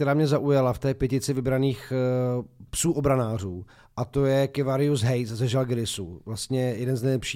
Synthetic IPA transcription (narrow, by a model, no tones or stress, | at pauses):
t̪ɛɾaːmɲɛzaʔujalaft̪ɛːpjɛcɪt͡sɪvɪbɾaniːx | psuːʔobɾanaːr̝uː | ʔat̪o̞jɛkɪvaɾɪjuzɦɛjszɛʒalɡɛɾɪsṵvlast̪ɲɛjɛdɛnznɛjlɛpʃiː